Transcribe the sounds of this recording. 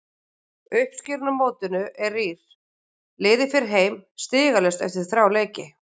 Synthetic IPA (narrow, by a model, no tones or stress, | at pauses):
ʏhpsciɾnamoːwt̪ʏnʏʔɛrːiːɾ̥ | lɪːðɪfɪɾɪɾɦeːjmst̪ɪːɣalɛst̪ɛ̰ft̪ɪɾ̥θɾawleːjcɪ